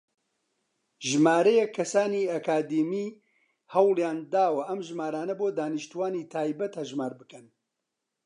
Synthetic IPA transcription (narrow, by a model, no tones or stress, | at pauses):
ʒɨmaːɾɐjɛkʰːɐsaːniːɐkaːd̪imiː | hɐwljaːnd̪aːwɐʔɐmʒmaːɾaːnɐboːd̪aːnɨʃt̪uwaːniːt̪ʰaːjbɐt̪hɐʒmaːɾbɨkɨn